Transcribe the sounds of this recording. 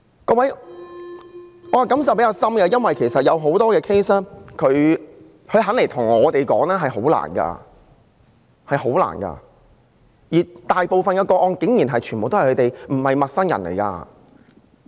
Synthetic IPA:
kɔː˧wɐ˨˥j | ɔː˨˧˨kɐ˨˥ms̬ɐ˨wpe˥kaː˧wsɐ˥mɡɛː˧jɐ˥nwɐ˨jkʰe˨˩jsɐ˨t̚jɐ˨˧wɦo˨˥wt̪ɔː˥kɛː˧kʰe˥jsɛː˥kʰɵ˨˧ɥ | hʰɵ˨˧ɥɦɐ˨˥nle˨˩t̪ʰʊ˨˩ŋɔː˨˧t̪e˨jkɔː˨˥ŋlɛː˥ɦɐ˨jho˨˥wla̰ː˨˩nɡa̰ː˧ | hɐ˨jho˨˥wla̰ː˨˩nkɐ̰ː˧ | jiː˨˩t̪aː˨jpo˨wfɐ˨njɐ˨˧kɔː˧ʔɔː˧nkɪ˨˥ŋjiː˨˩nɦɐ˨jt͡ʃʰyː˨˩npo˨wt̪o˥hjkʰɵ˨˧te˨jm̩˨˩hɐ˨jmɐ˨t̚sɐ˥njɐ̰˨˩nlḛ˨˩jka̰ː˧

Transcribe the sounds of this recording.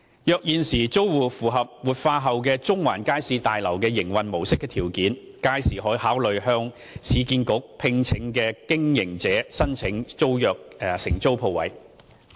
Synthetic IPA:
jœː˨k̚jiː˨nsiː˨˩t͡so˥wwuː˨˩fuː˨˩ɦɐ˨p̚wuː˨t̚faː˧ɦɐ˨wk̬ɛː˧t͡sʊ˥ŋwa̰ː˨˩nkaː˥jsiː˧t̪aː˨jlɐ˨˩wkɛː˧jɪ˨˩ŋwɐ˨nmo˨˩wsɪ˥kːɛː˧t̪ʰiː˨˩wkiː˨˥n | kaː˥jsiː˨˩ɦɔː˨˥jhaː˨˥wlɵ˨ɥhœː˧˥ŋ | sʰiː˨˧kiː˧nkʊ˨˥k̚pʰɪ˧ŋt͡sʰɪ˨˥ŋkɛː˧kɪ˥ŋjɪ˨˩ŋt͡sɛː˨˥sɐ˥nt͡sʰɪ˨˥ŋt͡so˥wjœː˨k̚ːsɪ̰˨˩ŋt͡so˥wpʰo˧wɐ̰˨˥j

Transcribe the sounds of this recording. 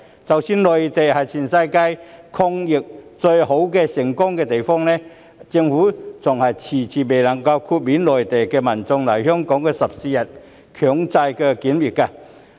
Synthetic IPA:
t͡sɐ˨wsiː˥nlɔː˨jt̪e˨jhɐ˨˩jt͡sʰiː˨˩nsɐ˧jka˥jkʰɔ˧˥ŋjɪ˨k̚t͡sɵ˧ɥho˨˥wkɛː˧sɪ˨˩ŋkʊ˥ŋkɛː˧t̪e˨˩jfɔː˥ŋnɛː˥ | t͡sɪ˧ŋfuː˨˥t͡sʊ˨˩ŋhɐ˨jt͡sʰiː˨˩t͡sʰiː˨me˨˩jlɐ˨˩ŋkɐ˧wkʰuː˧t̚miː˨˥nlɔː˨˩jt̪e˨˩jkɛː˧mɐ˨˩nt͡sʊ˧ŋlɐ˨˩jhœː˥ŋkɔː˨˥ŋkɛː˧sɐ˨p̚si˨˧jɐ˨˩t̚ | kʰœː˨˩ŋt͡sa˧jkɛː˧kiː˨˥nwiː˨˩t̚kaː˧

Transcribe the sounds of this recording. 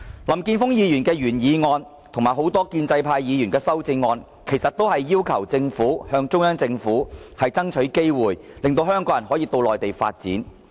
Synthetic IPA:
lɐ˨˩mkiː˧nfʊ˥ŋjiː˨˧jyː˨˩nkɛː˧ɥyː˨˩njiː˨˧ŋɔː˧n | t̪ʰʊ˨ŋmaː˨˩jɦo˨˥wt̪ɔː˥kiː˧nt͡sɐ˧jpʰaː˧jjiː˨˧jyː˨˩nkɛː˧sɐ˥wt͡sɪ˧ŋɔː˧n | kʰe˨˩jsɐ˨t̚t̪ːo˥whɐ˨jːiː˥wkʰɐ˨˩wt͡sɪ˧ŋfuː˨˥hœː˧ŋt͡ʃʊ˥ŋjɐ˥ŋt͡sɪ˧ŋfuː˨˥hɐ˨jt͡sɐ˥ŋt͡ʃʰɵ˨˥ɥke˥jwuː˨jlɪ˨ŋt̪o˧wɦœː˥ŋkɔː˨˥jɐ˨˩nɦɔː˨˥jiː˨˧t̪o˧wlɔː˨˩jt̪e˨jfa̰ː˧t̚t͡siː˨˥n

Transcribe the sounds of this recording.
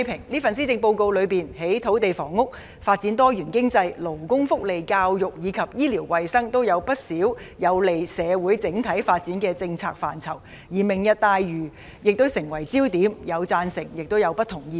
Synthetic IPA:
pʰɪ˨˩ŋliː˥fɐ˨nsi˥t͡sɪ˧ŋpo˧wko˧wlɵ˨˧ɥpiː˨nhe˨˥jt̪ʰo˨˥wt̪e˨jfɔː˨˩ŋːʊ˥k̚ | faː˧t̚t͡siː˨˥nt̪ɔː˥jyː˨˩nkɪ˥ŋt͡sɐ˧jlo˨˩wkʊ˥ŋfʊ˥k̚le˨jkaː˧wjʊ˨k̚jiː˨˧kʰɐ˨p̚jiː˥liː˨˩wwɐ˨jsɐ˥ŋt̪o˥wjɐ˨˧wpɐ˥t̚siː˨˥wjɐ˨˧wle˨jsɛː˨˧wu˨˥jt͡sɪ˨˥ŋt̪ʰɐ˨˥jfaː˧t̚t͡siː˨˥nkɛː˧t͡sɪ˧ŋt͡sʰaː˧k̚fa̰ː˨˩nt͡sʰɐ˨˩w | jiː˨˩mɪ˨ŋjɐ˨t̚t̪aː˧jɥyː˨˩ | jɪ˨k̚t̪o˥wsɪ˨˩ŋwɐ˨˩jt͡siː˥wt̪iː˨˥mjɐ˨˧wt͡saː˧nsɪ˨˩ŋjɪ˨k̚t̪o˥wjɐ˨˧wpɐ˥t̪ʰʊ˨˩ŋjiː˧

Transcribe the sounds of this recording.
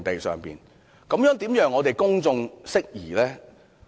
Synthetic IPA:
t̪e˨jsœ̰ː˨ŋpḭː˨n | kɐ˨˥mjœː˨˥ŋt̪iː˨˥mjœː˨˧ŋːɔː˨˧t̪e˨jkʊ˥ŋt͡sʊ˧ŋsɪ˥k̚jiː˨˩lɛː˥

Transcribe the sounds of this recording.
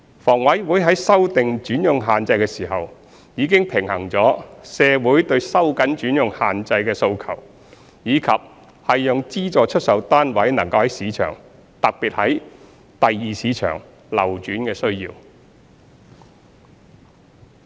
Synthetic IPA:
fɔː˨˩ŋwɐ˨˥jwu˨˥jɦɐ˨˥jsɐ˥wt̪ɪ˨ŋt͡ʃyː˨˥njʊ˨ŋɦaː˨nt͡sɐ˧jkɛː˧siː˨˩ɦɐ˨w | jiː˨˧kɪ˥ŋpʰɪ˨˩ŋhɐ˨˩ŋt͡sɔː˨˥sɛː˧wuː˨˥jt̪ɵ˧ɥsɐ˥wkɐ˨˥nt͡ʃyː˨˥njʊ˨ŋhaː˨nt͡sɐ˧jkɛː˧so˧wkʰɐ̰˨˩w | jiː˨˧kʰɐ˨p̚ | hɐ˨jːʊ˨ŋt͡siː˥t͡sɔː˨˧t͡ʃʰɵ˥t̚sɐ˨˧wt̪aː˥nwɐ˨˥jnɐ˨˩ŋkɐ˧whɐ˨˥jsiː˨˧˥t͡ʃʰœ̰ː˨˩ŋ | t̪ɐ˨k̚piː˨t̚hɐ˨˥j | t̪ɐ˨jːiː˨˧siː˨˧˥t͡ʃʰœ̰ː˨˩ŋ | lɐ̰˨˩wt͡ʃyː˨˥nkɛː˧sɵ˥ɥjḭː˧w

